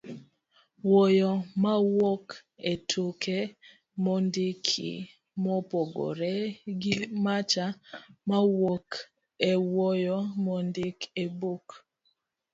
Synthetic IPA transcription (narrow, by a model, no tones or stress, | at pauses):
wɔjɔmawɔketʰokɛ | mɔndɪkʰḭ | mɔpɔɡɔ̰ɾɛɡɪmat͡ʃamawɔk | ewɔjɔmɔndikebok